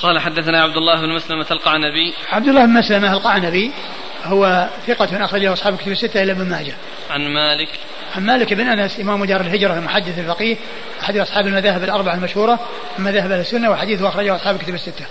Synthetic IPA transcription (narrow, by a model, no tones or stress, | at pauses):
qɑːlaħad̪ːaθanaːʕab̚d̪ʊlˤːaːhbnmaslamaalqɑʕnabi | ʕab̚d̪ʊlˤːɑːbɪnmaslamaalqɑʕnabi | hʊwaθɪqɑmɪnʔɑxɾˤɑd͡ʒahʊɑsˤħɑːbɪkʊt̪bɪsːɪt̪ːaʔɪlːabɪnmaːd͡ʒa | ʕanmaːlɪk | ʕanmaːlɪkɪbɪnʔanasʔɪmaːmːʊd̪ɑːɾˤɪlɦɪd͡ʒɾˤɑlmʊħad̪ːɪθalfɑqiːh | ʔaħad̪ʔɑsˤħɑːbɪlmaðaːhɪbalʔɑɾˤbaʕalmaʃhuːɾˤɑ | mɪmaðaːɦɪbʔalasːʊnːawɪħad̪iːθhʊʔɑxɾˤɑd͡ʒahʔɑsˤħɑːblkʊt̪abɪsːɪt̪ːa